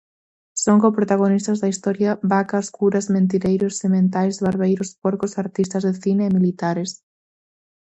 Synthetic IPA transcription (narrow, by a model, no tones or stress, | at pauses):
soŋkopɾot̪aɣ̞onist̪azðɐist̪ɔɾjaβakaskuɾɐzmẽnt̪̬iɾejɾʊsːemẽnt̪̬ajzβaɾβejɾʊspɔɾkosaɾt̪ist̪ɐzðeθineːmilit̪aɾes